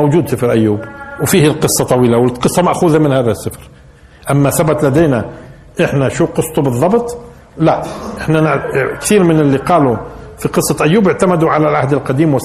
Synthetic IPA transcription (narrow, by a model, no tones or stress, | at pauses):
owd͡ʒuːd̪sɪfɾʔæjːuːbwfiːhɪlqɨsˤːɑt̪ˤɑwiːlawɪlqɨsˤːɑmaʔxuːðamɪnhaːðasːɪfɾ | ʔamːaθabat̪ˤlæd̪eːna | ʔɪħnaʃuqɨsˤːt̪ubɨðˤːɑbt̪ˤ | laʔʔɪħnankθiːɾmɪnɪlːiqɑːlufiqɨsˤːɑʔæjːuːbɪʕt̪amad̪uʕalalʕahd̪ɪlqɑd̪iːmwɪ